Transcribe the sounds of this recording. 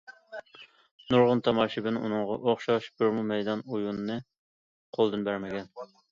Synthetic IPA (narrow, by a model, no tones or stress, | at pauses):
nuɾʁʊnt̪ʰɑmɑːʃibɪnṵnɨŋʁɑʔoχʃɑʃbuɾmumɛjd̪ɑnujunːɨ | qʰolˠd̪ɨnbæɾmɪɡʲɛn